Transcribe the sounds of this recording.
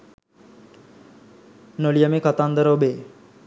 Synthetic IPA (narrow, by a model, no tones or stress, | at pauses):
nolijəmekat̪and̪əɾəobe